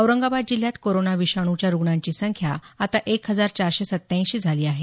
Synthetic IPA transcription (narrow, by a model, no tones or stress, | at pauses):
əʋɾəŋɡabad̪̚d͡ʑil̤jat̪koɾonaʋiɕaɽ̃ut͡ɕjaɾuɡɳaɲt͡ɕiːsəŋkʰjaat̪aʔekɦəd͡zaɾt͡ɕaɾɕesət̪ːãɕiːd͡zʱaliːaɦe